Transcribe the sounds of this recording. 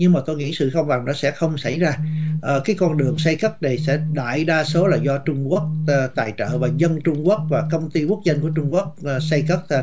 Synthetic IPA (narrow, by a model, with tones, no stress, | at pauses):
ɲɨ˧ŋmaː˨˩t̪o˧jŋḭ˧˥sɨ̰˧˨xə˧wŋ͡mɓa˨˩ŋnɔ˨˦sɛ̰˧˥xə˧wŋ͡msa˧˩jzaː˧ʔkaː˨˦jkɔ˧nɗɨ˨˩əŋsa˧jkə˦˥t̚na˨˩jsɛ̰˧˥ɗa̰ː˧˨jɗaː˧so˨˦laː˨˩zɔ˧t͡ɕʊ˧ŋ͡mku˦˥ək̚ːt̪aː˨˩jt͡ɕə̰ː˧˨vaː˨˩zə˧nt͡ɕʊ˧ŋ͡mku˦˥ək̚vaː˨˩kə˧wŋ͡mt̪i˧ku˦˥ək̚zə˧nku˧˩ət͡ɕʊ˧ŋ͡mku˦˥ək̚sa˧jkə˦˥t̚ː